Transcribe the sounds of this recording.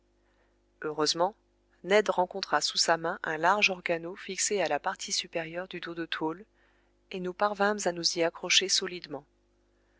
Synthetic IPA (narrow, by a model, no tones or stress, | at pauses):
øʁøzmɑ̃ | nɛd̪ʁɑ̃kɔ̃t̪χasusamɛ̃ʔɛ̃laʁʒɔʁɡanofiksealapaʁt̪ʰisypeʁjœʁd̪yd̪od̪ət̪ʰol | enupaʁvɛ̃mzanuziakχɔʃesɔlid̪mɑ̃